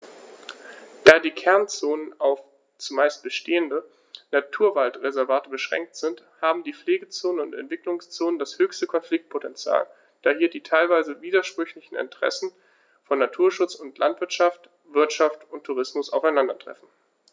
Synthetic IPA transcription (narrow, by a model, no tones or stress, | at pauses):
d̥aːdiːkʰɛɐnt͡soːnənaʊf | t͡sumaɪst̚b̥əʃteːəndə | natʰuːɐvaltʁezɛɐvaːtəbəʃʁ̥ɛ̰ŋk̚tz̥ɪnt | haːbm̩diːfleːɡət͡soːnənʊntɛ̰ntv̥ɪklʊŋst͡soːnəndashøːçstəkʰɔnflɪk̚t̚pʰotɛnt͡sja̰ːl | d̥aːhiːɐdiːtʰaɪlvaɪzəviːdɐʃpʁ̥ʏçlɪçn̩ɪ̰ntəʁ̥ɛ̰sn̩ | fɔnːatʰuːɐʃʊt͡sʊntʰlʔa̰ntv̥ɪɐtʃaft | v̥ɪɐtʃaftʊntʰːuʁ̞ɪsmʊsa̰ʊfaɪnandɐtʁ̥ɛ̰fn̩